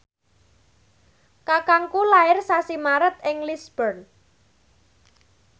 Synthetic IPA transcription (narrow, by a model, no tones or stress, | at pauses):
kakaŋkulaɪrsasimaɾət̪̚ɪŋlisb̥ərn